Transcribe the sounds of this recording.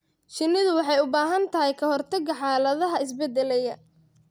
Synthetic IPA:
ʃɪnɪðʊwɑħɑjʊbaːɦɐnt̪ʰɐɦɛjkʰɐɦɔrt̪ʰɐɡɐħɑːlɐðɐɦɐɪsbɛd̪ɛlɛjɐ

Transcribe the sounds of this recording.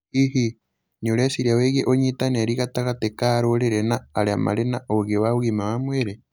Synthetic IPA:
ihi | nioɾasiɾjaweɣeʔoɲitanaɾiɣataɣatekaɾoɾeɾenaːɾeama̰ɾenaoɣewaβuɣimawamweɾe

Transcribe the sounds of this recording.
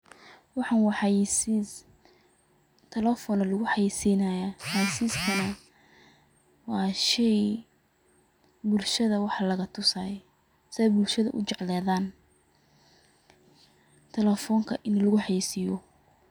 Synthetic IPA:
wɑħɑːnwɑħɑjisiːs | t̪ʰɛlɛfɔnɐlʊɣʊħɑjisiːnɐjaħajsiːskʰɐnɐ | wɑːʃɛj | bʊlʃɐðɐwɑħɑlɐɣɐt̪ʰʊsaː | sɪɛjbʊlʃɐðɐ̰ʔʊ̰t͡ʃɛʕlɛːðaːn | t̪ʰɛlɛfɔŋkʰɐʔɪnlɐɣʊħɑjiːsijɔ

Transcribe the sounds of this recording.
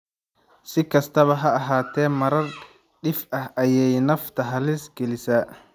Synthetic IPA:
sɪkʰɐst̪ʰɐβɐɦɐɐɦaːt̪ʰɛːmɐɾɐr | ɖɪfɐhʔɐjɛjnɐft̪ʰɐɦɐlɪsɡɛlɪsɐ

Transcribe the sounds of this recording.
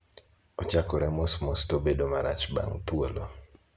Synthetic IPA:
ɔt͡ʃakoɾɛmosmostobedomaɾat͡ʃba̰ŋt̪wolo

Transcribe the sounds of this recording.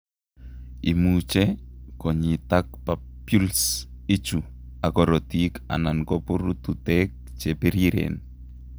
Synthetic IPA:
imut͡ʃɛkɔɲitak̚pa | pjuls | it͡ʃu | akɔɾɔtika̰nankɔpʊɾututɛk̚ | t͡ʃepeɾiɾḛn

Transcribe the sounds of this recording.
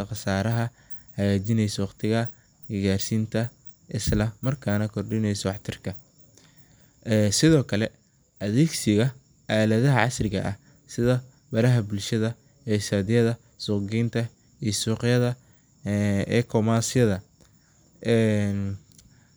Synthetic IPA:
ɐqɑsaːɾɐɦɐ | hɐɣaːt͡ʃɪnɛjsɐwɑqt̪ʰɪɣɐ | ɪɣaːrsiːnt̪ʰɐ | ʔɪslɐmɐrkʰaːnɐkʰɔrɖɪnɛjsɔwɑħt̪ʰɪrkʰɐ | ɛsɪðɔːkʰɐlɛ | ʔɐðɛːɡsɪɣɐ | ʔaːlɐðɐɦɐʕɑsrɪɣɐ̰ʔɐh | sɪðɐ | bɐɾɐɦɐbʊlʃɐðɐ | ɛːsaːðɪjɐðɐ | sʊːɡɛjnt̪ʰɐ | isuːqɪjɐðɐ | ɛːkʰɔmaːsɪjɐðɐ | ʔɛn

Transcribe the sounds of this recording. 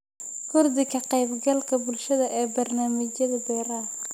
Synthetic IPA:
kʰʊrd̪ɪkʰɐqɑjbɡɐlkʰɐbʊlʃɐðɐʔɛːbɐrnaːmɪt͡ʃɐðɐb̪ɛːɾɐ

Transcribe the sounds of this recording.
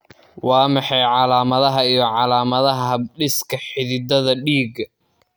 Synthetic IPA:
wɑːmɑħɑjʕɑlaːmɐðɐɦɐijɞʕɑlaːmɐðɐɦɐɐɖɪskʰɐħɪðɪd̪ɐðɐɖiːɡɐ

